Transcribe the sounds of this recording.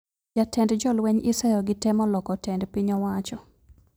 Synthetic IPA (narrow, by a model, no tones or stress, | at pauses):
jatɛndd͡ʒɔlwɛɲɪsɛjɔɡɪtɛmɔlɔkɔtʰɛndpiɲɔwat͡ʃɔ